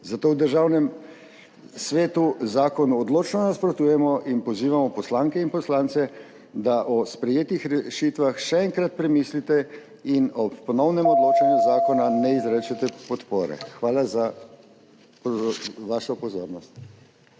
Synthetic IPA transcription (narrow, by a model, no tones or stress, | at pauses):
zat̪oːwd̪əɾʒaːwnɛm | sʋeːt̪uzaːkɔnuɔd̪loːt͡ʃnɔnaspɾɔt̪uːjɛmɔʔinpɔziːʋamɔpɔslaŋkɛinpɔslaːnt̪sɛ | d̪aʔɔspɾɛjeːt̪ixɾɛʃiːt̪ʋaxʃɛɛŋkɾat̪̚pɾɛmiːslit̪ɛ | inɔppɔnɔwnɛmɔd̪loːt͡ʃanjuzaːkɔnanɛizɾɛt͡ʃɛt̪ɛpɔt̪poːɾɛ̰xʋaːlaza | pʋaʃɔpɔzoːɾnɔst̪